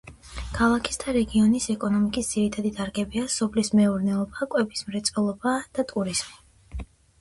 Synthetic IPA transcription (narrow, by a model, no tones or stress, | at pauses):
kʰalˠakʰi̥sd̪aɾɛɡiɔnisɛkʼɔnɔmikʼisd̪z̥iɾit̪ʰad̪id̪ʰaɾɡɛbiasɔpʰlismɛuɾnɛɔbakʼwɛbismɾɛt̪sʼwɛlˠɔbad̪̥at̪ʼuɾiz̥mi